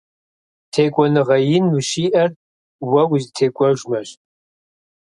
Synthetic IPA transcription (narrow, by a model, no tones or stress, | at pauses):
tʰeːkʷʼɔnɨʁɐjɪnwɨʃiːʔɐr | wɐwzɨtʰeːkʷʼɔʒʷmɐɕ